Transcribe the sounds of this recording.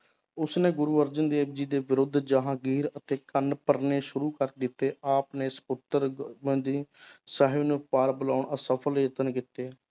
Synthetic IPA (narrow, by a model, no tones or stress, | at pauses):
ʊsneːɡʊɾuːəɾd͡ʒənd̪eːbd͡ʒiːd̪eːʋɪɾʊd̪ʱd͡ʒəɦãːɡiːɾət̪eːkənpəɾneːʃʊɾuːkəɾd̪ɪt̪ːeːʔaːpneːsə̥pʊt̪əɾmə̃nd̪iːsaɦɪʋnũːpaːɾbəlaːʊɳəsəpʰəlːət̪ənkɪt̪ːeː